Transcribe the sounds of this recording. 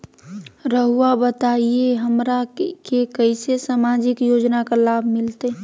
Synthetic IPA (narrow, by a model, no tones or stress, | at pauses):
ɾəɦuabət̪aieɦəmɾakekəɪsesamad͡ʒɪkjoːd͡ʒnakalaːbʱmɪlt̪e